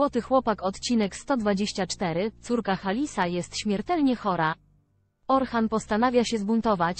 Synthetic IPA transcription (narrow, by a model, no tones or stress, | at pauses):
wɔt̪ɘxwɔpakɔt̪t͡ɕinɛkst̪ɔd̪vad͡ʑeɕt͡ɕat͡ʂt̪ɛɾɘt̪suɾkaxalʲisajɛst̪ɕmʲjɛɾt̪ɛlɲɛxɔɾa | ɔɾxanpɔst̪anavʲjaɕɛzbunt̪ɔvat͡ɕ